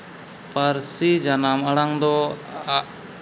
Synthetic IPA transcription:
pəɾsid͡ʒanaməɽaŋd̪ɔ

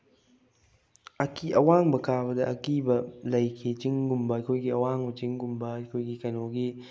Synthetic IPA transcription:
ɐkiʔɐwaŋbɐkʰaβɐdɐʔɐkibɐlɐjkʰit͡ʃiŋɡumbɐɐjkʰojɡiɐwaŋot͡ʃiŋɡumbɐɐkʰojɡikɐnoɡi

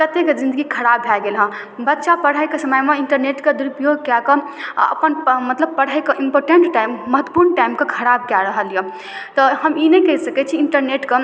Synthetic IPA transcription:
kət̪ekd͡ʒind̪əɡikʰəɾabʱɛɡelɦə̃ | bətːʃapəɽ̤əjkesəməjmeiɳʈəɾneʈked̪uɾupjoɡ̚kjakəə̰pənmət̪ləb̚pəɽ̤əjkeʔimpoɾʈeɳʈʈaimːəɦət̪wə̥puɾnʈaimkekʰəɾab̚kjaɾəɦəlje | t̪ɔɦəminəkəɦisəkɛt͡ʃʰiːɳʈəɾneʈke

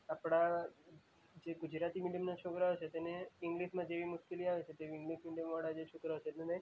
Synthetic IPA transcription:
apɽa | d͡ʒeɡʊd͡ʒɾat̪imiɖijəmnat͡ʃʰokɾaot͡ʃʰet̪eneɪŋɡliʃmãd͡ʒeʋimʊʃkiliaʋet͡ʃʰet̪eʋɪ̃ŋɡliʃmiɖjəmʋaɽ̃ad͡ʒet͡ʃʰokɾaot͡ʃʰet̪nene

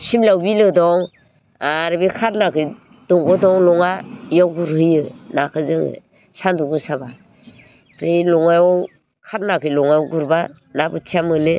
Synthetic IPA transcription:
simlawbilɯdɔŋ | aɾɯbikʰaɾnakɯj | d̥ɔŋɡɔdɔŋlɔŋajɔwɡuɾhɯjɯnakʰɯzɯŋɯ̰ | sanduɡɯsaba | pʰɾejlɔŋajɔ | kʰaɾnakɯlɔŋajɡuɾba | nabɯtʰiamɯle

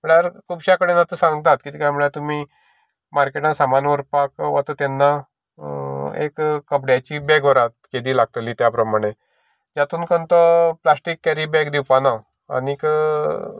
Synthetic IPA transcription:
m̤əɭaɾkʰuːbɕakəɽenat̪əsãŋɡ̚t̪at̪̚kit̪ikjamuɭjat̪umiː | maɾkeʈnasamanʋəɾpakʋat̪ɔt̪ɛnːa | ḛkkːəpɽjat͡ɕiːbɛɡʋəɾat̪̚ked̪iːlaɡ̚t̪əliːt̪japɾəmaɽ̃e | d͡ʑat̪uːnkənt̪ɔplasʈikːɛɾibɛkd̪iwpana | a̰nikə

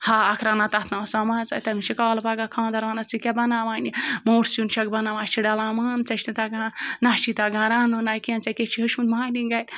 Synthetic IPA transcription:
haːɐkʰɾaːnat̪ɐt̪ʰnaːsamaːt͡sa̰jt̪ɐmiʃikaːlɐpaɡakʰãːnd̪ɐɾʋaːnɐt͡sikʲɐbɐnaːʋaːnimoːʈʰsunʃɐɡ̚bɐnaːʋãːt͡ʃʰiɖɐlaːmaːnt͡sɐʃnit̪aɡanaʃit̪aɡaːɾaːnonaːjkiɐ̃nt͡sɐkʲet͡ʃʰiɦɐʃunmaːlinɡɐjt̪

